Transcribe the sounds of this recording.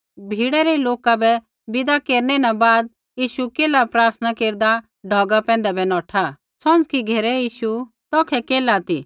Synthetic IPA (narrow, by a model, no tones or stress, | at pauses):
bʱiːɽɛɾɛloːkabɛ | bɪd̪akeːɾnɛnabaːd̪̚ | jiːʃukeːlapɾaːɾt̪ʰənakeːɾd̪a | ɖʱɔːɡapɛ̃ːnd̪ɛbɛnɔːʈʰa | sɔ̃d͡zkiɡʱeːɾɛjiːʃu | t̪ɔːkʰɛkeːlaːt̪i